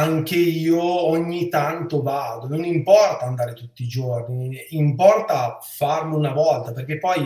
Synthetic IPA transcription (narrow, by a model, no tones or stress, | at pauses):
aŋk̟eiːoɔɲːit̪ant̪ovaːd̪ononimpɔrt̪aːnd̪aːɾet̪ut̪ːiːd͡ʒorniimpɔrt̪afarmunavɔlt̪aperk̟epːɔj